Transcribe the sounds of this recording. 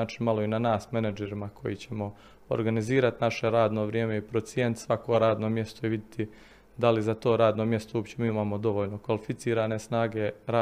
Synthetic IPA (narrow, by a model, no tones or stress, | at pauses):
aːt͡ʃinmalˠo̞inanaːsme̞nad͡ʒeɾimakʰo̞jit͡ɕe̞mo̞ | o̰ɾɡaniziːɾat̪naʃe̞ɾaːd̪no̞ʋɾjeːme̞ipɾot̪sje̞ːnt̪sʋako̞ɾaːd̪no̞mje̞st̪oiʋid̪jet̪ʰi | d̪alizat̪o̞ːɾaːd̪no̞mje̞st̪oopt͡ɕemiːimaːmo̞d̪o̞ʋo̞ːʎno̞kʋalifit̪siːɾaːne̞snaːɡe̞ɾa